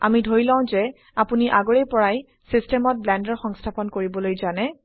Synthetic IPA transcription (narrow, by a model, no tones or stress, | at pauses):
a̰midʱoɹilãʊ̃zɛ | apuniʔaɡoɹɛjpɔɹaj | sistɛmɔt̚blɛndɔɹxɔŋstʰapɔnkoɹibɔlojzanɛ